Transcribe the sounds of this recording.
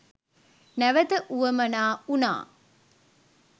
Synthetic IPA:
næʋɐt̪əʔuʋɐmɐnaːuna̰ː

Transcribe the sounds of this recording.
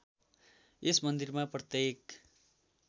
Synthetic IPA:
esmʌnd̪irmaprʌt̪jek

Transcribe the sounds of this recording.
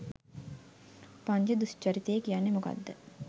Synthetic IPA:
paɲd͡ʒəd̪ust͡ʃɐɾit̪ejəkijanːemuka̰d̪ːə

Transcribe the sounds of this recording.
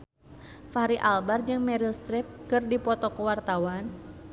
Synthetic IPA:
faɾiʔalbard͡ʒɨŋmɛɾilst̪ɾip̚kɨrdipɔt̪ɔkəwart̪awan

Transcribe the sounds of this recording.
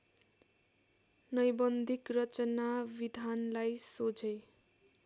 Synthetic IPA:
nʌjbʌnd̪ʱikrʌt͡sʌnabid̪ʱanlajsod͡zʌj

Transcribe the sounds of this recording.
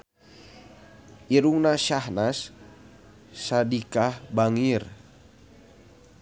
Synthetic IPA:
ʔiɾuŋnaʃahnas | adikahbaŋir

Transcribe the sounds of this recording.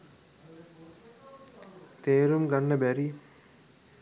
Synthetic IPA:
t̪eːɾumɡanːəbæɾi

